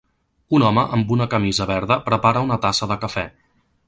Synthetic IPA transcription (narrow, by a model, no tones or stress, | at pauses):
unɔməʔəmbunəkəmizəβɛɾðəpɾəpaɾəunət̪asəðəkəfɛ